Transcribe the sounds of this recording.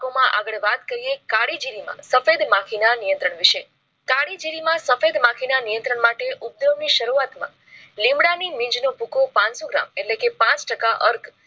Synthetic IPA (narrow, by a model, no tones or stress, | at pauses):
omãʔaɡəɭʋat̪kəɾijekaɽid͡ʒiɾimã̰səfed̪mãkʰinanijə̃nt̪ɾəɳʋɪʃe | kaɽid͡ʒiɾimãsəfed̪mãkʰinanijə̃nt̪ɾəɳmaʈeʔup̚d̪ɾəʋniʃəɾuat̪mã̰ | lĩmɽanimɪ̃ɲd͡ʒnopukopãnsoɡɾa̰meʈlekepãt͡ʃʈəkaʔəɾkʰ